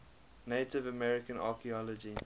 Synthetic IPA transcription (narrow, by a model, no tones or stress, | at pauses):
neɪtɪvəmɛɹɪkə̃nɑ̰ːkiɔlɔd͡ʒi